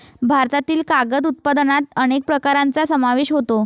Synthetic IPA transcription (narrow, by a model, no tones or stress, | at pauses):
bʱaɾt̪at̪iːlkaɡəd̪ut̪̚pad̪ənat̪əñek̚pɾəkaɾant͡sasəmaʋeɕɦot̪o